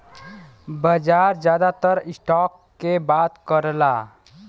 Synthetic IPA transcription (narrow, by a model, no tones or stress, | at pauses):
bəd͡ʒaɾd͡ʒjad̪at̪əɾisʈɔkːebat̪kəɾla